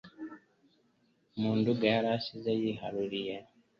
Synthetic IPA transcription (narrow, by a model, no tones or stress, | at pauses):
muːnduɡajaɾaːsizejiɦaɾuɾije